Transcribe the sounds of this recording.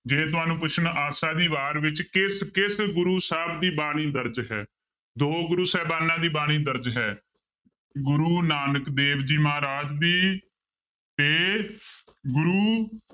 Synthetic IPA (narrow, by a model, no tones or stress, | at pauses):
d͡ʒeːt̪ʊɦaːnũːpʊt͡ʃʰənaːsaːd̪iːʋaːɾʋɪt͡ʃkɪskɪsɡʊɾuːsaːbd̪iːbaːɽ̃iːd̪əɾd͡ʒɦɛː | d̪oːɡʊɾuːsɛːbaːnãːd̪iːbaːɽ̃iːd̪əɾd͡ʒɦɛː | ɡʊɾuːnaːnəkd̪eːʋd͡ʒiːmaːɾaːd͡ʒd̪iː | t̪eː | ɡʊɾuː